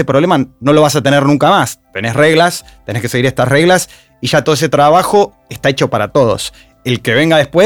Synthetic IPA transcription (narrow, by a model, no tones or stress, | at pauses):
epɾoβlemano̞loβas̬at̪e̞neɾnũŋkamast̪e̞nesre̞ɣlast̪e̞neskeseɣiɾeht̪asre̞ɣlas | iʒat̪oðes̬et̪ɾaβaxo̞ | ehst̪aet͡ʃo̞paɾat̪o̞ð̞o̞̰s | elkeβ̞e̞ŋɡaðehpwe